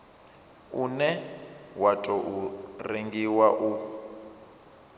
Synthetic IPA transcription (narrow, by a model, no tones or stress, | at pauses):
unɛwatʼɔʔureŋɡiwaʔu